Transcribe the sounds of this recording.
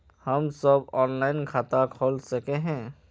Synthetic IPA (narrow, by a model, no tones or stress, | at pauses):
həmsəbɔːnlaːɪnkʰaːt̪akʰoːlsəkeɦɛ̃ː